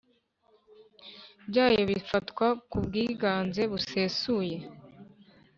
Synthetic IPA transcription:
bɟaːjoβifatkwakubɡiːɡaːnze̞βuse̞ːsuːje̞

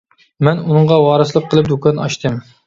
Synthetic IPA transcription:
mɛnunɨɴʁɑwɑːɾɨsəlˠəq̚qʰːəlˠɨp̚d̪ukʰɑnɑ̰ʃt̪ʰɨm

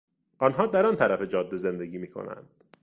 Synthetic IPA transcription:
ʔɒnɦɒːd̪æɾɒnt̪ʰæɾæfe̞d͡ʒɒːd̪ːe̞ze̞nd̪e̞ɡiːmiːkʰo̰næ̰nd̪̥

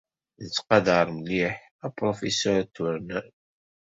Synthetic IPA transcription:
nət͡sːqɑd̪əɾˤmliħ | æpɾofesɔɾt̪ːʊɾnæn

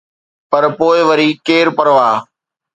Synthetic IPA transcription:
pɐɾpoːɪʋəɾiːkeːɾpɐɾʋaː

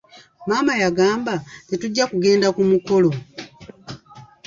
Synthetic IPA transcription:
maːmajaɡaːmbatituɟːakuɡe̞ːndakumuko̞lo̞

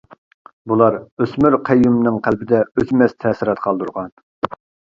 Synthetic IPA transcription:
bulˠɑɾøsmyɾqʰɛjːumnɨŋqʰælbɪd̪ɛøk̪ʲmɛst̪ʰɛːsɪɾɑt̪qʰɑlˠd̪uɾʁɑn

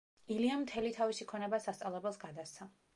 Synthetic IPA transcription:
iliamt̪ʰɛlit̪ʰavisikʰɔnɛbasast̪sʼalˠɛbɛlˠsɡad̪ast̪sʰa

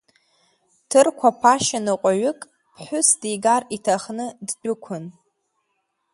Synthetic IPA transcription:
tʰɨrkʷʰapʰaʃanɨqʷʼaɥʊkʼ | pʰħʷʊsdijɡaritʰaχnɨdd͡ʒʷʊkʷʰʊn

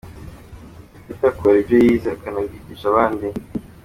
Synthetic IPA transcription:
fitakʰoɾibɟojiːzakanaɡiciʃaβaːndi

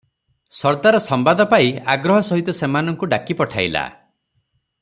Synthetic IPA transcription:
sɔɾt̪aɾɔsɔmbad̪ʱɔpaiaɡɾɔɦɔsɔɦit̪ɔsemanɔŋkuɖakipɔʈʰaila̰

